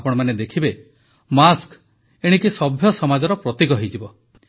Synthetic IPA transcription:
pɔɽ̃ɔmaned̪ekʰibe | mask | eɽ̃ikisɔbʱjɔsɔmad͡ʒɔɾɔpɾɔt̪iɡɔɦejd͡ʒibɔ

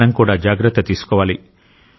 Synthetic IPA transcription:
nɐmkuːɽaːd͡ʒaːɡɾɐt̪ːɐt̪iːsu̥kɔːʋaːli

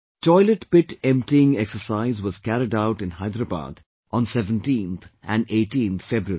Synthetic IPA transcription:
ʈɔɪləʈpɪʈɛ̃mpʈiɪ̃ŋɛksəɾsaɪzʋɔz̥kæɾɪɖaʊʈɪ̃nɦaɪd̪ɾəba̰ːd̪ | ʔɔ̃nsɛʋə̃nʈĩːnt̪ʰʔæ̃neːʈĩːnt̪ʰfɛbɾuəɾi

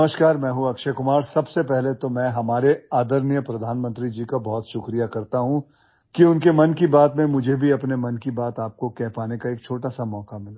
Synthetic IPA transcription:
ɐməʃkaːɾmɛ̃ːɦuɐkʃəkʊmaːɾsɐbsepɛɦlet̪omɛ̃ːɦɐmaːɾeaːd̪əɾnjəpɾɐd̪ʱaːnmə̃nt̪ɾid͡ʒiːkabɔɦt̪ʃʊkɾijakɐɾt̪aɦũ | kiʊnkemɐnkibaːt̪mẽmʊd͡ʒʱebʱiɐpnemɐnkibaːt̪aːp̚kokɛɦpaːnekaeːk̚t͡ʃʰoːʈasamɔːkamɪla

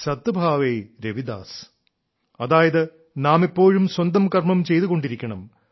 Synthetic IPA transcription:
sɐt̪ːɨbʱaːʋeːɾeʋid̪a̰ːs | ɐðaːjɐðɨ | naːmipːo̞ːɻumswɐnd̪ɐmkɐrmɐmt͡ɕe̞jt̪uɣo̞ɳɖiɾikʲːɐɳɐm

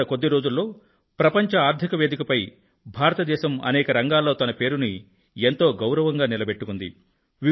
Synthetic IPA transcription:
ɐko̞d̪ːiɾo̞ːd͡ʒulːo̞ː | pɾɐpɐɲt͡ʃɐaːɾd̪ʱikɐʋeːd̪ikɐpɐj | bʱaːɾɐt̪ɐd̪ɛːʃɐmɐ̰nɛːkɐɾɐŋɡaːlːo̞ːt̪ɐnɐpe̞ːɾuni | ent̪o̞ːɡɐwɾɐʋɐŋɡaːnilɐbe̞ʈːukund̪ḭ | ʋi

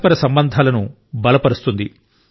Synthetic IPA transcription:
pɐɾɐsɐmbɐnd̪ʱaːlɐnu | bɐlɐpɐɾust̪und̪i

